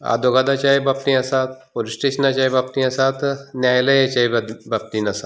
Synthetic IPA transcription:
a̰ːd̪oɡaːd̪at͡ʃaːjebɐp̚t̪iasaːt̪ʰpolisʈeːʃnat͡ʃaːjbɐpt̪iasaːt̪ʰnjaːjlɐjet͡ʃaːebbɐp̚t̪inɐsa

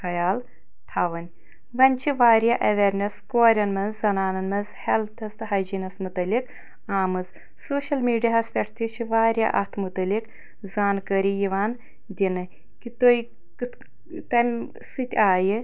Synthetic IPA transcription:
hɐjaːl | t̪ʰaːʋɐnʲ | ʋɐnʲt͡ʃʰiʋaːɾjaːʔɐʋeːɾnɐskoːɾʲɐnmɐnszɐnaːnɐnmɐnzhɛlt̪ʰɐst̪ɨɦɐd͡ʒinɐsmut̪ɐlik | aːmɨz | soːʃɐlmiːɖijaɐspʲɛʈʰt̪ʰit͡ʃʰiʋaːɾʲja̰ːʔɐ̰t̪ʰmut̪ɐlik | zaːnkəɾijiʋaːn | d̪ʲinɨ | kit̪oj | kɨ | t̪ɐmʲ | sɨt̪ʲaːji

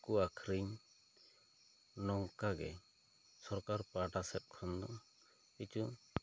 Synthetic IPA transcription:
kuakʰɾiɲ | nɔŋkaɡɛ̰ | sɔɾkaɾpaʈasɛt̪̚ˀkʰɔnd̪ɔ | kit͡ʃu

